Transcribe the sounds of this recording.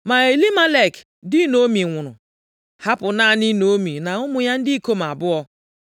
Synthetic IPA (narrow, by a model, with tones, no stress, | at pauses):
ma˨e˨li˦ma˦le˨k | dɪ˦no˦mi˨ŋʷʊ˨nʊ̰˨ | ha˦pʊ˨na˦˨ni˦no˨˦mi˨na˨ʊ˦mʊ˨ja˦n̩˦dɪ˦i˦ko˦ma˨bʊ˦ɔ˦